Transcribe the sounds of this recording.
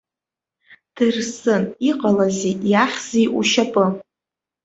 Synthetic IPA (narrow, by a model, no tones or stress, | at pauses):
d̥ɨrsɨniqʼalazijaχʲz̥iʔṵʃapʼɨ